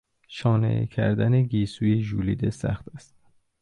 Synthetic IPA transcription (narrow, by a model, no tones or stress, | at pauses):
ʃɒːnḛcʰæ̰ɾd̪æneɡiːsuːjeʒuːlḭːd̪esæ̰xt̪æst̪